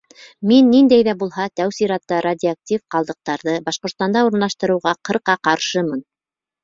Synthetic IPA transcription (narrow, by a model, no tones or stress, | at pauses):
minːind̪æjðæbulˠɦɑt̪æwsiɾɑt̪ːɑɾadʲiak̚tʲifqɑlˠd̪ɤ̆q̚t̪ɑɾðɤbɑʃqŏt̪st̪ɑnd̪ɑuɾɤ̆nlˠɑʃt̪ɤ̆ɾɤ̆wʁɑqɤ̆ɾqɑqɑɾʃɤmɤn